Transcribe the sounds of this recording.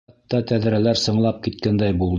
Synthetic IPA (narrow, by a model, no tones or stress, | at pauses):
t̪ːɑt̪æðɾælæɾsɤ̆ɴlˠɑp̚kit̪̚kænd̪æjbulˠd̪